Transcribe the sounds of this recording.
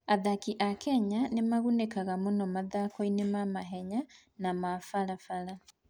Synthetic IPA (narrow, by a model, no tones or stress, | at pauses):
aðakiʔakɛɲanemaɣunekaɣamonɔmaðakoinemamaɦɛɲa | namafalafaɾa